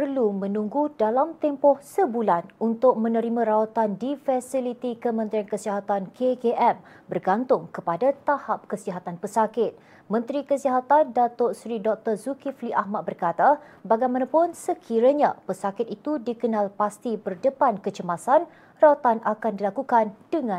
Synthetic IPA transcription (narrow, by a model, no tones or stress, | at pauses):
pərlumə̃nũŋɡudalamt̪ɛmpɔhsəbulanunt̪ʊk̚mə̃nəɾimãɾawat̪andifɛsilit̪ikəmə̃nt̪ɾiankəsiɦat̪ankʰekeʔɛm | bərɡant̪ʊŋkəpadat̪ahap̚kəsiɦat̪anpəsakɪt̪̚ | mə̃nt̪ɾikəsiɦat̪andat̪ɔʔsɾidɔk̚t̪ərzukifliʔahmat̪̚bərkat̪a | baɡajmanãpʊnsəkʰiɾəɲapəsakɪt̪̚it̪udikənalpast̪ibərdəpankət͡ʃəmasan | rawat̪anʔakandilakukand̥əŋã